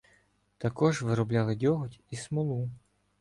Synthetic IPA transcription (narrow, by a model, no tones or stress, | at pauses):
t̪ɐkɔʒʋɪɾɔblʲalˠɪdʲɔɦɔtʲismɔlˠu